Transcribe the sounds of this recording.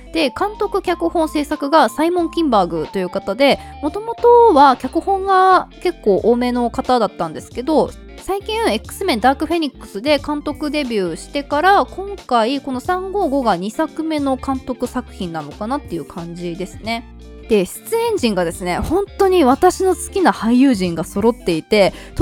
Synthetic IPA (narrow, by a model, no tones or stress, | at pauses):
d̪̥e̞kãnt̪o̞kɯ̟kʲakɯ̟hõ̞ɰ̃se̞ːsakɯ̟ɡasaimõ̞ŋkʲĩmbaːɡɯ̟t̪o̞jɯ̟ːkat̪ad̪e̞ | mo̞t̪o̞mo̞t̪o̞βakʲakɯ̟hõ̞ŋɡake̞kːo̞ːʔome̞no̞kat̪ad̪at̪ːãnd̪e̞sɨ̥ke̞d̪o̞ | saikʲĩe̞kːɯ̟̥sɨmẽnd̪aːkɯ̟ɸe̞ɲ̟ikːɯ̟̥sɨd̪e̞kãnt̪o̞kɯ̟d̪e̞bʲjɯ̟ːɕi̥t̪e̞kaɾakõ̞ŋkaiko̞no̞sãŋɡo̞ːɡo̞ɡaɲ̟isakɯ̟me̞no̞kãnt̪o̞kɯ̟sakɯ̟̥çĩnːano̞kanat̪ːe̞jɯ̟kʰãɲ̟d͡ʑid̪e̞sɨ̥ne̞ | d̪̥e̞ɕi̥t͡sɨẽ̞ɲ̟d͡ʑĩŋɡad̪e̞sɨne̞hõ̞nt̪o̞ɲ̟iβat̪aɕino̞sɨ̥kʲinahaijɯːʑĩŋɡaso̞ɾo̞t̪ːe̞it̪e̞t̪